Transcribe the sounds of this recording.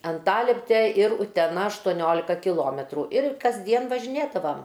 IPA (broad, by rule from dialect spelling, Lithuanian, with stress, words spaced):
ɐnˈtɑːlʲɛpʲtʲɛ ɪr ʊtʲɛˈnɐ ɐʃtoːˈnʲoːlʲɪkɐ kʲɪˈlˠoːmʲɛtruː ɪr kɐzʲˈdʲiɛn ʋɐʒʲɪˈnʲeːdɐʋɐm